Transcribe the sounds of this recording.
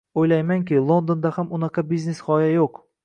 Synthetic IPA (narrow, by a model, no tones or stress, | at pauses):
ojlajmaŋkʲɪlˠo̞nd̪ond̪ahamʊnɑqʰɑbizneshɒjajoq